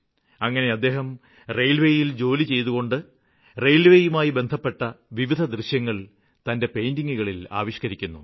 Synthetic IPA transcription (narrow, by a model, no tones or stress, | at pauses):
ɐŋːɐne̞ɐd̪ːe̞ːɦɐm | rejlʋe̞ːjild͡ʑo̞ːlit͡ɕe̞jt̪uɣo̞ɳɖɨ | rejlʋeːjumaːjibe̞nd̪ʱɐpːe̞ʈːɐʋiʋid̪ʱɐd̪rɨɕjɐŋːɐɭ | t̪ɐnde̞pe̞jndiŋːuɣɐɭila̰ːʋiɕkɐɾikʲːunːṵ